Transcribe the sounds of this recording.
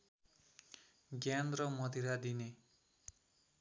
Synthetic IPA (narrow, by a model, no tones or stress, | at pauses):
ɡjanrʌmʌd̪iɾad̪ine